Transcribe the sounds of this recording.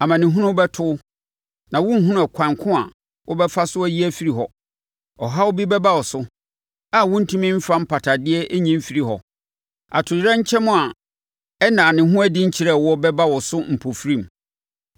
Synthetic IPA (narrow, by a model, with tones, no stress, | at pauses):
a˨mã˨nɪ̃˨ɦʊ̃˦nʊ̃˦bɛ˦tʰʊ˦ʊ˦ | nã˨wʊ̃˦ɦʊ̃˦nʊ̃˦ɛ˨kʷʰã˨ŋkʰʊ̃˦a˨ | wʔʊ˦bɛ˦fa˦sʊ˦æ˦ji˦æ˦fi˦ɾi˨ɦɔ˨ | ɔ˨ɦa˦wʊ˦bi˦bɛ˦ba˦wɔ˨sʊ˦ | a˨wʊ̃˦n̩˦tʰũ˦mɪ̃˦m̩˦fã˦m̩˦pʰa˨tʰa˨dɪ˦ɛ˦ʔe˦ɲĩ˦m̩˦fi˨ɾi˦ɦɔ˨ | a̰˨tʰʊ˨jɾɛ̃˦ɲ̩˦t͡ɕʰɛ˦mʊ̃˨a˨ | ɛ˦nãː˨nɪ̃˨ɦʊ̃˦æ˦di˦ɲ̩˦t͡ɕʰi˨ɾɛ˦˨wɔ˦bɛ˦ba˦wɔ˨sʊ˦m̩˨pʰo˨fɾĩ˦˨m